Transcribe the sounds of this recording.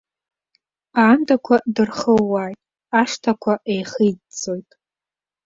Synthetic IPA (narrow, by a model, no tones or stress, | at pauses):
aːndakʷʰadɨrχəːaːjtʼ | aʂtʰakʷʰaʔejχijdt͡sʼo̞jtʼ